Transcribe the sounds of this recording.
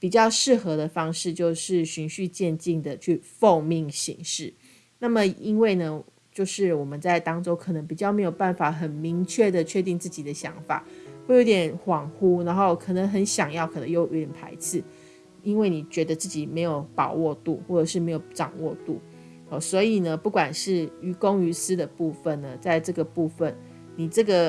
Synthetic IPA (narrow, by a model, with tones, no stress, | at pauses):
pi˨˩t͡ɕjɑ˥˧ʊʂɻ̩˥˩xɤ˧˦d̪ə˨fɑ˥ŋʂɻ̩˥˧t͡ɕjo˥˧ʊʂɻ̩˥˩ɕy˧˥nɕy˥˧t͡ɕjɛ˥˧nt͡ɕi˥˩ŋd̪ə˩t͡ɕʰy˥˩fo˥˧ʊmi˥˩ŋɕḭ˧˥ŋʂɻ̩˥˩ | na˥˩mə˨˩i˦˥nwe˥˩ɪnə˩ | t͡ɕjo˥˧ʊʂɻ̩˥˩wɔ˨˩mə˨˦nt͡sa˥˩ɪt̪ɑ˥ŋʈ͡ʂo˥ʊkʰɤ˨˩nə˧˥ŋpi˨˩t͡ɕjɑ˥˩ʊme˧˥ɪjo˨˩ʊpa˥˩nfa˨˩xə˨˩nmi˧˥ŋt͡ɕʰɥɛ˥˩d̪ə˨t͡ɕʰɥɛ˥˧t̪̬i˥˧ŋt͡sɹ̩˥˩t͡ɕi˨˩d̪ə˦ɕjɑ̰˧˥ŋfa̰˨˩˦we˥˩jo˧˥t̪ʲjɛ˨˩˦nxwɑ˨˩ŋxu˦˥na˧˥nxo˥˩ʊkʰɤ˨˩nə˧˦ŋɦə˧˦nɕjɑ˨˩ŋjɑ˥˩ʊkʰɤ˨˩nə˧˦ŋjo˥˩ʊjo˧˥t̪jɛ˨˩npʰa˧˥ɪt͡sʰɹ̩˥˩ | i˦˥nwe˥˩ni˨˩t͡ɕɥɛ˧˥d̪ə˧t͡sɹ̩˥˩t͡ɕi˨˩me˧˥ɪjo˨˩ʊpɑ˨˩ʊwɔ˥˧t̪ṵ˥˩xwɔ˥˩ʈ͡ʂɤ˨˩ʂɻ̩˥˩me˧˥ɪjo˨˩ʊʈ͡ʂɑ̰˨˩ŋwɔ˥˧t̪ṵ˥˩ | ɔ˨˩swɔ˧˥i˨˩nə˦pu˥˩kwa˨˩nʂɻ̩˥˩y˧˥ko˦ŋy˧˥sɹ̩˥d̪ə˨pu˥˧fə˨˩nːə˩t͡sa˥˧ɪʈ͡ʂɤ˥˩ɡə˩pu˥˧fə˨˩n | ni˨˩ʈ͡ʂɤ˥˩ɡə˩